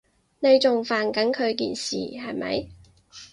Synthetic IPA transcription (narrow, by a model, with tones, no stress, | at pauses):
ne˨˧jt͡sʊ˨ŋfaː˨˩nkɐ˨˥nkʰɵ˨˧ɥkḭː˨nsḭː˨hɐ˨˩jmɐ̰˨˥j